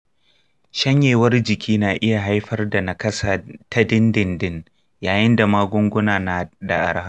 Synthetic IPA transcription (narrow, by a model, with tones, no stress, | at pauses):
ʃɐ˦ɲjeː˨wɐ˦rd͡ʒɪ˨kʲiː˦naː˨ʔɪ˦ja˨ɦa˦jɸɐ˦rda˨na˨kɐ˦sa˨tʰa˦dɪ˦ndɪ˨ndɪ˦n | jaː˨jɪ˦nda˨maː˦ɡʷʊ˦ŋɡʷʊ˦naː˨na˨da˨ʔa̰˨ɽha˦